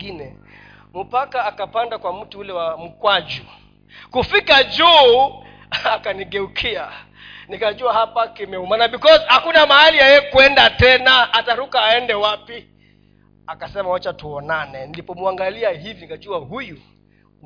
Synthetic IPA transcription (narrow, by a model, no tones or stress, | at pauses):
inɛ | m̩pakaːkapandakwam̩tuulɛwam̩kwad͡ʒu | kufikad͡ʒuː | akaniɡɛukʰia | nikaʄuahapakimɛumanavikɔsihakunamahalijajɛkwɛndatɛnaːtaɾukaːɛndɛwapi | akasɛmawat͡ʃatuɔnanɛnilipɔmuaŋɡaliahivinikaʄuahuju